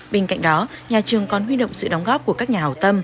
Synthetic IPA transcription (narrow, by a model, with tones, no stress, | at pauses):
ɓe˧nka̰˧˨jŋ̟̚ɗɔ˨˦ɲaː˨˩t͡ɕɨ˨˩əŋkɔ˨˩nwi˧ɗə̰˧˨wŋ͡msɨ̰˧˨ɗɔ˨˦wŋ͡mɣɔ˦˥p̚ku˧˩əkaː˦˥k̚ɲaː˨˩hɔ˨˩wt̪ə˧m